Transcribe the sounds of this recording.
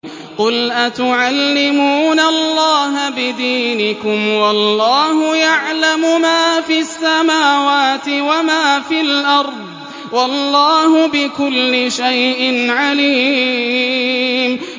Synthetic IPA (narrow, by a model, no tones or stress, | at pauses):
qʊlʔat̪ʊʕalːɪmuːnalːaːɦabɪd̪iːnɪkʊmwɑlːɑːhʊjaʕlamʊmaːfiasːamaːwaːt̪ɪwamaːfɪlʔɑɾˤd̪ˤ | wɑlːɑːhʊbɪkʊlːɪʃajʔɪnʕaliː | m